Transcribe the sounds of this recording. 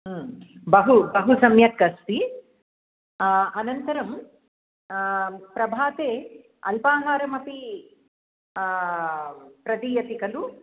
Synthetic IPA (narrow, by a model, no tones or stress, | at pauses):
bɐɦubɐɦusɐmjɐkːɐst̪i | ɐnɐnt̪ɐɾɐm | pɾɐbʱaːt̪eː | ɐlpaːɦaːɾɐmɐpi | pɾɐd̪iːjɐt̪ikɐlu